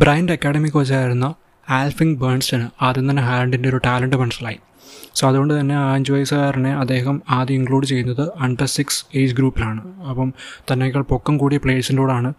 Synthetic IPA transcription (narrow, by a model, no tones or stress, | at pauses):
braːjndeɐkːaːɽɐmikʲːɨʋɐt͡ɕːaːjiɾunːɐ | aːlfiŋɡbeːɳsɐnɨaðent̪ɐnːeɦaːlɐɳɖindeoɾuʈaːlɐɳɖɨmɐɳɐsɐlaːji | soːɐðuɣo̞ɳɖɨt̪ɐnːe̞aːɲd͡ʑɐjsɐɣaːɾɐɳːe̞ɐd̪ːe̞ːɦɐmaːðiiŋɡɭuːɖɨt͡ɕe̞jːunːɐðɨɐɳɖɐrsikseːd͡ʑɡɾuːpːilaːɳɨɐpːɐmt̪ɐnːeɣɐɭpo̞kːɐmkuːɽipɭe̞ːʈsindoːɽaːɳɨ